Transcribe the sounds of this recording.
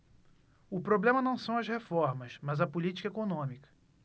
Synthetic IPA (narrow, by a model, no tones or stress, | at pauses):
ʊpɾoblẽmɐnɐ̃w̃sɐ̃w̃ɐzhefɔɾmɐʃmɐzɐpulit͡ʃi̥kɐekonõmikɐ̥